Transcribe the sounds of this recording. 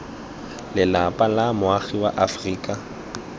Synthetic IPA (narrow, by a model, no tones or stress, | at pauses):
lɪlapʼalamʊaɣiwa̰ʔafriːkʼa